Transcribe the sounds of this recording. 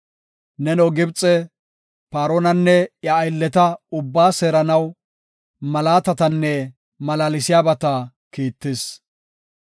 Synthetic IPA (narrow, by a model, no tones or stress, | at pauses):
nɛnɔɡɪbt͡sʼːɛ | paːɾoːnɐnːɛjɐːjlːɛt̪ɐʊbːaːseːɾɐnɐw | mɐlaːt̪ɐt̪ɐnːɛ | mɐlaːlɪsɪjaːbɐt̪ɐ | kiːt̪ːɪs